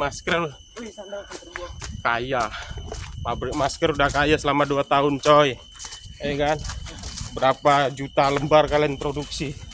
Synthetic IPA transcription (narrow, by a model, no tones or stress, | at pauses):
maskər | kajahmabɾɪk̚maskəɾudahkajasəlamaduat̪aʊnt͡ʃɔj | jəkanbəɾapad͡ʒut̪aləmbarkalaŋpɾoduksi